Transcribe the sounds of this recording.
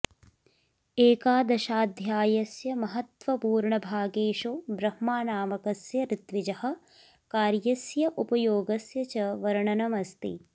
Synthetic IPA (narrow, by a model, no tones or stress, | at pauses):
eːkaːd̪ɐʃaːd̪ʱjaːjɐsjɐmɐɦɐt̪ʋɐpuːɾɳɐbʱaːɡeːʃoːbɾɐhmaːnaːmɐkɐsjɐɾɪt̪ʋid͡ʒɐhɐ̆ | kaːɾjɐsjɐʔupɐjoːɡɐsjɐt͡ʃɐʋɐɾɐɳɐnɐmɐst̪ḭ